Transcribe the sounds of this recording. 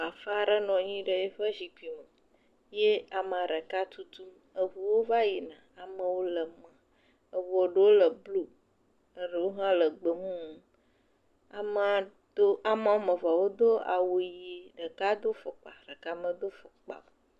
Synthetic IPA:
a˨fa˦ɖə˦nɔ̃˨ɲĩ˦ɖə˨je˦ɸə˦zi˨ki˨mə˨ | je˦a˨mã˨ɖə˨ka˦t̪ʰu˦t̪u˦m | ə˨vu˨wo˦va˦ji˨nã˨a˨mə̃˨wo˦lə˨mə̃˨ | ə˨vu˨o˨ɖə˨wo˦lə˨blu˦ | ə˨ɖə˨wo˦ɦã˦lə˨ɡ͡bə˨ŋũ˦ | a˨mə˨ | d̪o˦a˨mã˨wo˦mə˨va˨wo˦d̪o˦a̰˨wo˨ji˨˦ɖə˨ka˦d̪o˦fo˨k͡pa̰˨ɾə˨ka˦mə̃˨d̪o˦fo˨k͡pa̰˨m˨

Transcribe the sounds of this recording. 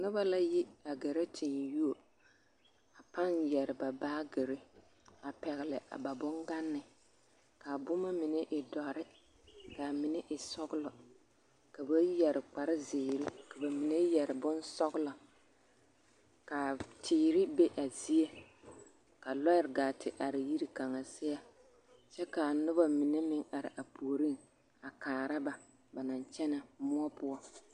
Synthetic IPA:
nʊ˦ba˦la˦ji˦a˨ɡe˨ɾe˦tʰɪ˨nju˦o˨ | a˨pa˦njɛ˨ɾɪ˨ba˨baː˦ɡɛ˨ɾe˦ | a˨pɛ˨ɣɪ˨lɪ˨ʔa̰˨ba˨bʊ˦ŋɡa˦nːɪ˨ | ka˨bʊ˦ma˦mɪ˨nɛ˦ʔɪ˨dɔ˨ɾɪ˦ | ka˨mɪ˨nɛ˦ʔɪ˨sɔ˦ɡʊ˦lɔ˨ | ka˨ba˦jɛ˨ɾɪ˨k͡pa˨ɾɪ˦zeː˨ɾi˦ka˨ba˨mi˨ne˦jɛ˨ɾɪ˨bʊ˦nsɔ˦ɣʊ˦lɔ˨ | ka˨tʰiː˨ɾɪ˦be˦ʔa˨zi˦e˦ | ka˨lɔ˦jɪ˦ɾɡaː˨tʰɪ˨ʔa˨ɾɪ˨ji˦ɾi˦ka˨ŋa˨sɪ˦a˦ | t͡ʃɛ˦ka˨nʊ˦ba˨mɪ˨ne˦mɪ˦ŋa˨ɾɪ̰˨ʔa˨pʰu˨o˨ɾi˦n | a˨kaː˨ɾa˦ba˨ | ba˨na˨nt͡ʃɛ˦na˨mʊ˦ɔ˦pʊ˦ɔ˦

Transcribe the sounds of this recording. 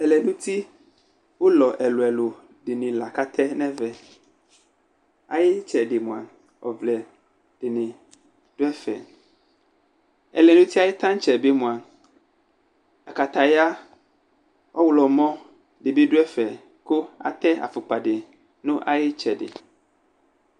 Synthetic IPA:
ɛ˨lɛ˨nũ˦t̪ʰi˦ | wo˦lɔ˨ʔɛ˨lo˨ɛ˨lo˨ | ɖɪ˨nɪ̃˨la˨ka˦t̪ʰɛ˦nɛ̃˦vɛ˨ | a̰˨jɪ˦t͡ʃɛ˨dɪ˨mũ˨a̰˨ | ɔ̰˨vlɛ˨ | d̥ɪ˨nɪ̃˨ | d̥ʊ˦ɛ˦fɛ̰˨ | ɛ̰˨lɛ˨nũ˦t̪ʰi˦a˦jɪ˦t̪ʰã˦n˦t͡ʃɛ˨bi˦mũ˨a˨ | a˨ka˨t̪a˨ja˦ | ɔ˦wlɔ˨mɔ̃˦ | dɪ˨bi˦dʊ˦ɛ˦fɛ˨ | kʊ˦a̰˨t̪ɛ˦a̰˨fʊ˨k͡pa˨dɪ˨ | nʊ̃˦ʔa˦jɪ˦t͡ʃɛ˨dɪ̰˨

